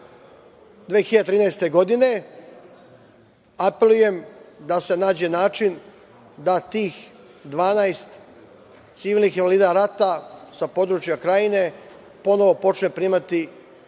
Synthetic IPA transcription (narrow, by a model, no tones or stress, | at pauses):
d̪ʋexiʎad̪et̪ɾiːnajst̪e̞ɡo̞d̪ine̞ | ape̞luje̞md̪ase̞naːd͡ʑe̞naːt͡ʃin | d̪at̪iːx | d̪ʋaːnajst̪ | t̪siʋiːlnixinʋaliːd̪aɾat̪asapo̞d̪ɾut͡ʃjakɾaine̞ | po̞no̞ʋo̞po̞t͡ʃne̞pɾiːmat̪i